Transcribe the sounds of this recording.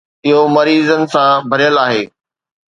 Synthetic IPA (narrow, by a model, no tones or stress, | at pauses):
ɪɦomɐɾiːzənɪ̆sãbʱɐɾijəlaːɦeː